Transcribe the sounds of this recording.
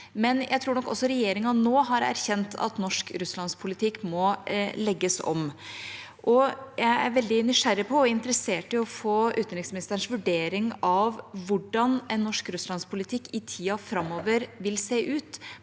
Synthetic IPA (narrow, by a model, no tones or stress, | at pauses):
mɛnjʔæɪt̪ʰɾuːɾnɔkːɔ̰sːɔɾɛjeːɾɪŋɑnoːɦɑɾæ̰ɾçɛnt̪ʰɑ̰t̪nɔʂkɾʉslɑnspʰʊlɪt̪ʰɪkːmɔlɛɡːəsɔ̰m | ʔɔjæɪæɾʋɛld̪ɪnʏʂæɾɪpʰɔɔɪnt̪əɾəseːʈɪlɔfoːʉːt̪ənɾɪksmɪnɪst̪əɳʂʋʉɖeːɾɪŋɑʋʋʊɖɑnɛnːɔʂkɾʉslɑnspʰʊlɪt̪ʰɪkːɪt̪ʰiːɑfɾɑmːoːʋəɾʋɪlseːʔʉːt̪